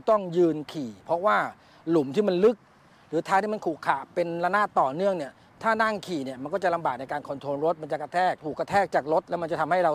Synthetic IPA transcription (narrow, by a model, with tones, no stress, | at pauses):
t̪ɔ˥˩ŋjɯː˧nkʰiː˨˩pʰɔ˦˥waː˥˩ | lu˩˦mt̪ʰiː˥˩ma˧nlɯ˦˥k̚ | ɾɯː˩˦t̪ʰaː˦˥t̪ʰiː˥˩ma˧nkʰuː˨˩kʰːaː˨˩pe˧nɾa˧naː˥˩t̪ːɔː˨˩nɯ˥˩əŋni˥˩ə | t̪ʰaː˥˩naː˥˩ŋkʰiː˨˩ni˦˥˩əma˧nkɔː˥˩t͡ɕa˨˩ʔla˧mbaː˨˩k̚na˧jkaː˧nkʰo˧nt̪ʰoː˧nɾo˦˥t̪̚ma˧nt͡ɕa˨˩ka˧t̪ʰɛː˥˩k̚t̪ʰuː˨˩kːa˧t̪ʰɛː˥˩k̚t͡ɕaː˨˩k̚ɾo˦˥t̪̚lɛ˦˥wma˧nt͡ɕa˨t̪ʰa˧mha˥˩jɾa˧